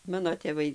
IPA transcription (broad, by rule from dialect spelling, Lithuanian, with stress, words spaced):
ˈmɑːnoː tʲeːˈʋɐɪ